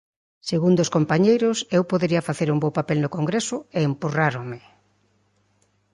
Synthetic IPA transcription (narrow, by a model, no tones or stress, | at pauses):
seɣund̪oskompaɲejɾʊsewpoðeɾiɐfaθeɾumbowpapɛlnʊkoŋɡɾesʊeːmpuraɾomɪ